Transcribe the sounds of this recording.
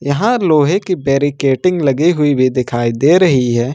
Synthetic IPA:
jɐɦãloːɦekibeːɾikeːʈɪ̃ŋɡlɐɡiɦʊibʱid̪ɪkʰaːid̪eɾɐɦiɦɛː

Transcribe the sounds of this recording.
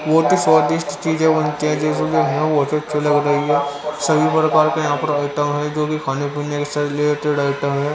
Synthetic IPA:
ʋot̪isaːd̪ɪʃʈt͡ʃiːd͡ʒẽbɐnt̪iɦɛ̃d͡ʒeːs̬ed͡ʒoɦɛɛ̃ʋoɐt̪eɐtːʃʰelɐɡɾɐɦiɦɛːsɐbʱipɾəkaːɾkajɐɦãːpɐɾaːɪʈəmɦɛd͡ʒoːkikʰaːnepinnːekesaːt̪ʰleːɾʈeɖaːɪʈəmɦɛ

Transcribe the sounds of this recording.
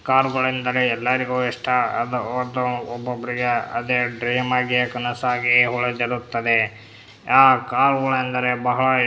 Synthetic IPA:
kaːɾɡɐɭɐind̪ɐɾeɛlːaɾiɡuiʂʈɐɐd̪ɐɾd̪ɐɔbːobːɐɾiɡeɐ̰d̪eɖɾiːmaːɡikɐnɐsaːɡiɦuɭɐd͡ʒɐd̪ut̪ːɐd̪e | aːkaːɾɡɐɭɐɐnd̪ɐɾebɐɦɐɭɐ

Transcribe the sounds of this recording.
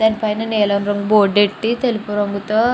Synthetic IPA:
d̪ɐnipɐjnɐneːlɐnɾɐŋɡuboːɖeʈːit̪elipuɾɐŋɡut̪ɐ

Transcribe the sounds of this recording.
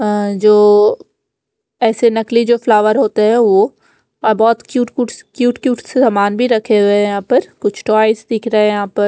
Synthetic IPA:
d͡ʒoː | ɛːsenɐklid͡ʒoːflaːʋəɾɦoːt̪aɦɛʋo | bɔːt̪kjuːʈuʈkjuːʈkjuːʈsesaːmaːnbʱiɾɐkʰeɦejɐɦãːpɐɾkʊt͡ʃʰʈɔːɪsd̪ɪkʰɾɐɦẽjɐɦãːpɐɾ

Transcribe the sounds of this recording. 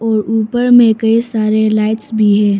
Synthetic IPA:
ɔːɾuːpəɾmẽkɐisaːɾelaːɪʈsbʱiɦɛ̃ː

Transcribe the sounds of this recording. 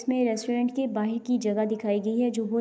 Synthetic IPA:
smẽɾɛsʈoːɾɛ̃ːɳʈkebaːɦɪɾkid͡ʒɐɡad̪ɪkʰaːiɡɐiɦɛd͡ʒoːʋo

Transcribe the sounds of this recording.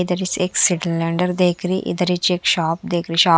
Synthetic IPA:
d̪əɾiseksiʈəlːɛ̃ɳɖəɾd̪eːkɾiʔḭd̪əɾit͡ʃeːkʃɔːp̚d̪ekɾiɕaː

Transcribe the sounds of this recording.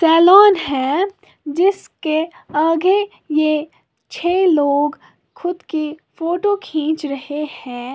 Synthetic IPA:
sɛːlɔːnɦɛ̃ː | d͡ʒɪskeaːɡe | je | t͡ʃʰeːloːɡ | xʊd̪kifoːʈokʰĩːt͡ʃɾɐhehɛ̃ː

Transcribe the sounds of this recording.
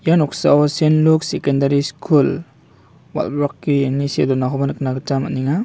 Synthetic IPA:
janɔksa̰ɔsenluksekendaɾiskʰul | wa̰lbɾɔkːinisedɔnaɦɔbanknaɡat͡ʃamaniŋa

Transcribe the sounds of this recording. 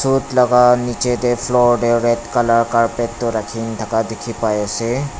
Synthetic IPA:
sutlɔɡanit͡ʃetepʰlɔɹdeɹɛtkalaɹkaɹpɛtːɔɾakʰint̪ʰakadekʰipajasɛ

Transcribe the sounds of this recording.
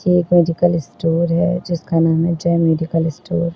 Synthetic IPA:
kmeːɖɪkəlɪsʈoːɾɦɛd͡ʒɪskanaːmɦɛd͡ʒɐɛmeːɖɪkəlɪsʈoːɾ

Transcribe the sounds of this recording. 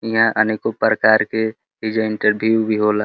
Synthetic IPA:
ijãʔənikopɾəkaːɾke | ɪd͡ʒəɪ̃ɳʈəɾbʱjubʱiɦoːla

